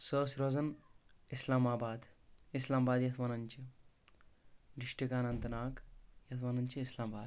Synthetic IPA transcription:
soːsɾoːzɐnislaːmaːbaːd̪islaːmbaːd̪jɐt̪ʰʋaːnɐɲʲt͡ʃi | diʂʈikaːnɐnt̪ɐnaːkjɐt̪ʰʋaːnɐɲt͡ʃiislaːmbaːd̪

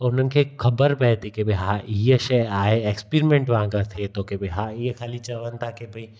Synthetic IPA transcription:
ʊnənkekʰɐbəɾbɛːt̪ikebɐɦãʔijəʃeaːeekspiːɾmẽɳʈʋaãɡat̪ʰet̪oːkebɐɦãijekʰaːlit͡ʃɐʋənt̪ʰakebʱɐi

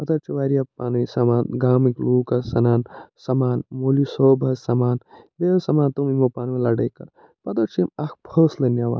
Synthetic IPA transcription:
pɐt̪ɐɾt͡ʃʰiʋaːɾiɐpaːnisɐmaːnɡaːmikluːkɐsɐnaːnsɐmaːnmolisoːbʱɐsɐmaːnlesɐmaːnt̪omimopaːnʋilɐɖɐkɐ̰ɾ | pɐt̪ɐɾt͡ʃʰimɐkbʰʱəːslɐnjaːʋa̰ːn

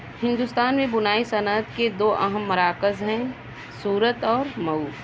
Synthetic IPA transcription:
hɪ̃nd̪ust̪aːnmẽbʊnaːisɐnət̪ked̪oːʔɐɦəmːɐɾaːkəzɦɛ̃ː | suːɾət̪ɔːɾmɐuː

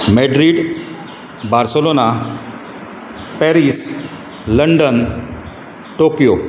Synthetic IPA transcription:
meɖɾiɖ | baɾselona | pɛɾis | ləɳɖən | ʈokijo

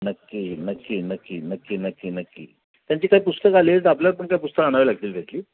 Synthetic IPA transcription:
nəkːinəkːinəkːinəkːinəkːinəkːḭ | t̪jaɲt͡ɕiːkaɦiːpust̪əkalet̪ap̬ljaɾpəɳkaip̬ust̪əkaɽ̃aʋeilaɡ̚t̪iːlʋʱet̪liː

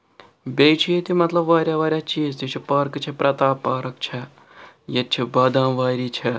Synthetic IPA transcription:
bʲeːt͡ʃʰijet̪imɐt̪lɐbʋaːɾʲjaːʋaːɾjaːt͡ʃiːzt̪et͡ʃʰipaːɾkt͡ʃʰɐpɾʔɐt̪aːpaːɾɐkt͡ʃʰɐ | jɐt̪̚t͡ʃʰibɐːd̪ãːʋaːɾiːt͡ʃʰɐ

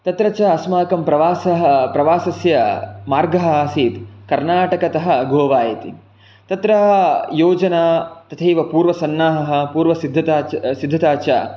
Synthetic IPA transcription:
t̪ɐt̪ɾɐt͡ʃɐɐsmaːkɐmpɾɐʋaːsɐɦɐpɾɐʋaːsɐsjɐmaːɾɡɐɦɐaːsiːt̪kɐɾnaːʈɐkɐt̪ɐɦɐ̆ɡʱoːʋaːjɐt̪ḭ | t̪ɐt̪ɾɐɦɐjoːd͡ʒɐnaːt̪ɐt̪ʰeːʋɐpuːɾʋɐsɐnːaːɦɐɦɐ̆puːɾʋɐsid̪ʱːɐt̪asid̪ʱːɐt̪aːt͡ʃa̰

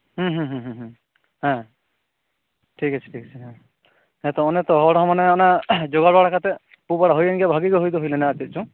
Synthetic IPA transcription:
ɦũɦũɦũɦũɦũ | hɛ̃ | ʈʰikat͡ʃʰi̥ʈʰikat͡ʃʰiɦɛ̃ | hɛt̪ɔɔnɛt̪ɔɦɔɔɽɔɦɔ̃manɛɔnad͡ʒɔɡaɽaɽakʰat̪ɛ | pubaɽaɦojanɡɛbʱaɡiɡɔɦojd̪ɔɦojlɛnaːt̪it̪̚t͡ʃʰɔ̃

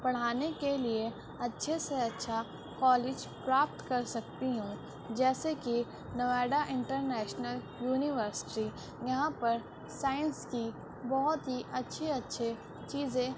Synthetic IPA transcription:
b̥ɐɽ̤aːnekelie | ɐtːʃʰeseɐtːʃʰa | kɔːleːd͡ʒpɾaːp̚ʈ̪kɐɾsɐk̚t̪iɦũː | d͡ʒɛːseki | nɐʋɛːɖaʔɪ̃ɳʈəɾnɛːʃnəl | juːnɪʋəɾsɪ̥ʈi | jɐɦãpɐɾ | saːɪə̃nski | bɔɦʊt̪ɦiʔɐtːʃʰiɐtːʃʰe | t͡ʃiːzẽ

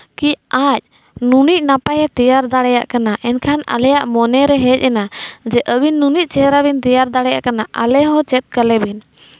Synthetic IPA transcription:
kiac̚ | nunic̚ˀnapajɛt̪ijaɾd̪aɽɛja̰ʔkanaʔɛnkʰana̰lɛjaʔmɔnɛɾɛɦɛc̚ˀɛnad͡ʒɛʔəbinːunic̚ˀt͡ʃɛɾaβint̪ijaɾd̪aɽɛja̰ʔkanaʔa̰lɛɦɔ̃t͡ʃɛt̪̚kalɛbin

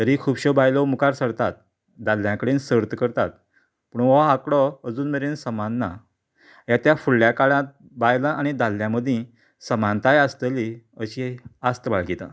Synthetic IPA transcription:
t̪əɾikʰuːbɕɔbajlɔmukaɾsəɽt̪at̪̚ | d̪alːjãkəɽensəɾt̪əkəɾt̪at̪̚ | puːɳaakɽɔəd͡zuːnmeɾensəmanːa̰ | ɦjat̪jafuɭljakaɭãt̪̚ | bajlaʔañid̪alːjãməd̪ʱĩ | səmant̪ajast̪əliəɕiast̪əbaɭɡit̪a̰

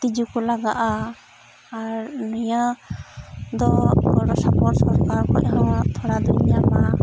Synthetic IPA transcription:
t̪id͡ʒukɔlaɡaʔaː | ɾnɔja | d̪ɔɔɾɔsapɔɾsɔ̃ɾkaɾkɔ̰ʔɦawat̪ʰɔɽad̪ɔiɲama

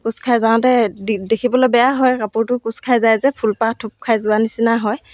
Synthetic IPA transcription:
kuskʰajzaw̃tɛidekʰibɔlojbɛjaɦɔjɹapuɹtʊkuskʰajzajzɛpʰulpatʰup̚kʰajzʊanisinaɦɔj

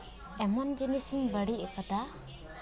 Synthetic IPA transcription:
ɛmɔnd͡ʒinisiŋbəɽiɛkad̪a

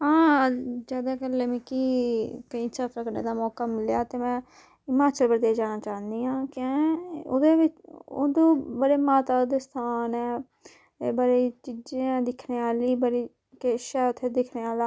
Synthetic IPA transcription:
ɦãːd͡ʒaːd̪aːkəlːemẽːkiːkəĩːt͡ʃət̪ɾəkənḛːd̪aːmɔːkaːmɪljaːt̪eːmɛ̃ː | ɪmaːt͡ʃəlbəɾd̪eːd͡ʒaːnaːt͡ʃaːɦənd̪iːɦãːkɛ̃ːʊ̰d̪eːʋɪt͡ʃod̪õːbəɾeːmaːt̪aːd̪est̪ʰaːnɛː | bəɾiːt͡ʃid͡ʒẽːɛ̃ːd̪ɪkʰneːaːliːbəɾiː | keʃɛːʊt̪ʰːed̪ɪkʰneːaːlaː

